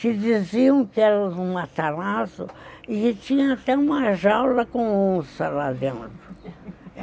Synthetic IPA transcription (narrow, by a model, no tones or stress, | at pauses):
sɪd͡ʒiziɐ̃w̃kɪɛɾɐũmat̪alasʊɪkɪt͡ʃĩɲɐat̪ɛũmɐʒawlɐkõõsɐlad̪ẽnt̪ɾʊ